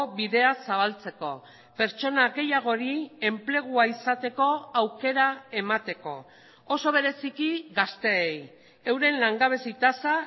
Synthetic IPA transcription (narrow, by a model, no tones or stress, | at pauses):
βiðe̞asaβ̞alt͡se̞ko̞ | pe̞ɾt͡ʃo̞naɣe̞jaɣ̞o̞ɾie̞mple̞ɣ̞uaisat̪e̞ko̞awke̞ɾae̞mat̪e̞ko̞ː | so̞β̞e̞ɾe̞sikiɣast̪e̞ej | e̞wɾe̞nlaŋɡaβ̞e̞sit̪asa